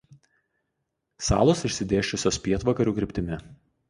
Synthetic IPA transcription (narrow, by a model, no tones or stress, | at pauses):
sɑ̰ːlˠoːsɪʃʲsʲɪd̪ʲeːʃʲt͡ʃʲʊsʲoːspʲiɛt̪ʋɐkɐɾʲuːkɾʲɪpʲt̪ʲɪmʲɪ